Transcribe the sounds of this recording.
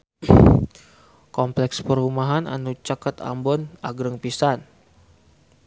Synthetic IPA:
kɔmplɛkspərumaɦana̰nut͡ʃakat̪a̰mbɔnaɡɾəŋpisan

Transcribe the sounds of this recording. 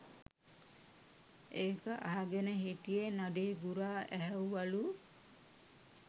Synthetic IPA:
eːkəʔaɦaɡenəɦit̪ijenadeɦiɡuɾaːɛɦəwːalu

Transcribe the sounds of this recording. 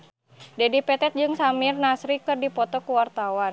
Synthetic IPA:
dɛdipɛt̪ɛt̪̚d͡ʒɨŋsamnirnasɾikɨrdipɔt̪ɔkuwart̪awan

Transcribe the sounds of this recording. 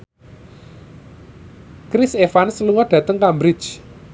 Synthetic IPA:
kɾɪsefansluŋɔɖ̥ä̤t̪əŋkambɾɪ̥t͡ʃ

